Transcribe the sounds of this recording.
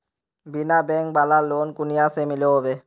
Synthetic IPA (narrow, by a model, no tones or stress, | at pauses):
binabɛŋk̚balalonkunijasemileɦobe